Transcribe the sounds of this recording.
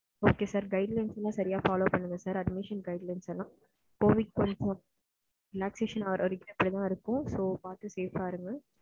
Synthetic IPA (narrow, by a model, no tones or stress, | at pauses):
oːkeːsaːɾɡɐɪɖlɐɪnsɛlːãːsɐɾɪjaːfaːloːpɐɳːɯŋɡɐsaːɾɐɖmɪʂɐnɡɐɪɖlɐɪnsɛlːãː | koːʋɪʈ̚kɐnsɐ̃ | ɾɪlaːkseːʂɐnɐʋɐɾɔɾɪkːɐɛpːɐɽit̪ãːɪɾɯkːʊ̃soːpaːɾʈ̪ːɯseːfaːɾɯŋɡɐ